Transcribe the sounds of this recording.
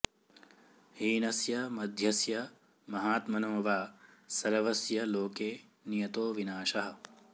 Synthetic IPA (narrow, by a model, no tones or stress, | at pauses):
hiːnɐsjɐmɐd̪ʱjɐsjɐ | mɐɦaːt̪mɐnoːʋaːsɐɾɐʋɐsjɐloːkeː | nijɐt̪oːʋinaːʃɐɦɐ̆